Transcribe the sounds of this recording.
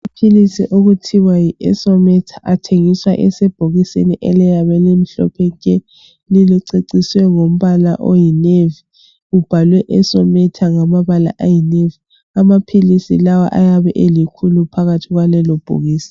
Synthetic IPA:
mapʰilisiʔoɣutʰiwajiʔɛ̰sɔmɛtʰḁʔatʰeŋiswa̰ʔɛsɛb̥ʱoɣisḛniʔɛlɛjaβɛlem̩ɬɔ̰pʰɛkʼɛ | liliǀeǀiswɛŋom̩βala̰ʔojinevi | ub̥ʱalwɛʔɛsɔmɛtʰaŋamaβala̰ʔajinevi | amapʰilisḭlawa̰ʔajaβɛʔelikʰulupʰaɣatʰiɣwalɛlob̥ʱo̰ɣiːsi̥

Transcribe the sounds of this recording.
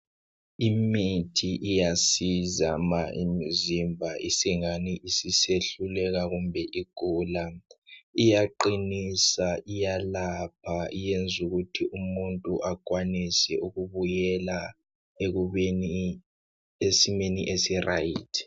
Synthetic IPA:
imitʰiʔijasizamaʔḭmizimbʱaisiŋaniʔisiseɬulɛɣaɣumbʱɛʔiɡ̥ʱuːla | ijaǃinisaʔijalapʰaijend͡zʱuɣutʰiʔumuntʼuʔakwanisɛʔuɣuβujɛla | een | esimenḭʔesira̰jitʰi̥

